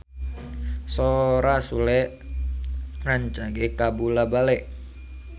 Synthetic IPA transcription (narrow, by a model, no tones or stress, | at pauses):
soɾasulɛ | raɲt͡ʃaɡekabulabalɛʔ